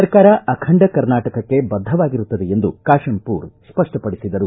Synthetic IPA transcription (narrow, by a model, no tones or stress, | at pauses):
ɐɾkaːɾɐʔɐkʰɐɳɖɐkɐɾnaːʈɐkɐkːe̞bɐd̪ʱːɐʋaːɡiɾut̪ːɐd̪eend̪ukaːʂɐmpuːɾspɐʂʈɐpɐɽisid̪ɐɾu